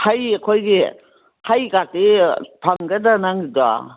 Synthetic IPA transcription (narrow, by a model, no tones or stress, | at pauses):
hajakʰɔjɡe | hajɡatepʰaŋɡadanaŋida̰